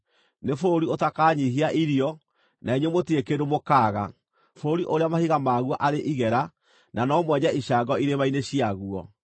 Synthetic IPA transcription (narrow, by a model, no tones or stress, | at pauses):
nefoːɾiotakaːɲiɦiaʔiɾjɔ | naeɲemotiekeɾomokaːɣa̰ | foɾiʔoɾeamahiɣamaːɣwaʔaɾeʔiɣɛɾa | nanɔmwɛɲaʔiɕaːŋɡɔiɾeβaineɕiaɣuɔ